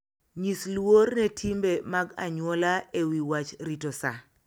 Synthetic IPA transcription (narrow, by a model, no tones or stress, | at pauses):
ɲislwornetʰimbemaɡa̰ɲwɔlaewiwat͡ʃɾitosa̰